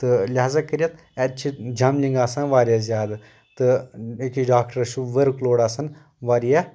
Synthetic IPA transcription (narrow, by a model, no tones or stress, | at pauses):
t̪ɨlʲaːzakɐɾijɐt̪ | ɛt͡ʃʰid͡ʒɐmliŋɡaːsãnʋaːɾijaːzʲjaːd̪ | t̪ɨekiɖaːkʈəɾɐʃuʋəɾkloːɽaːsɐn | ʋaːɾijaː